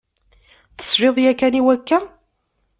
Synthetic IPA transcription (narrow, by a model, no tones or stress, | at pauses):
θə̥sɾɪðˤjækːæniwækːæ